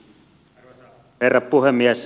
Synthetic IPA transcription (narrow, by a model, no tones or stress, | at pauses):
herːɑppuhemːiæs